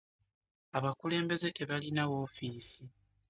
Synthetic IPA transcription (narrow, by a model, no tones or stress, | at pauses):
aβakule̞ːmbe̞ze̞te̞βalinawo̞ːfiːsi